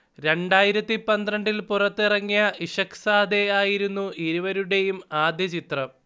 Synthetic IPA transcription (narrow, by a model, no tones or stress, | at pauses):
ɾe̞ɳɖaːjiɾɐt̪ːipɐnd̪rɐɳɖilpurɐt̪ːirɐŋːijɐiʂɐksaːd̪eaːjiɾunːuʔiɾuʋɐɾuɽe̞jumaːd̪jɐt͡ɕit̪rɐm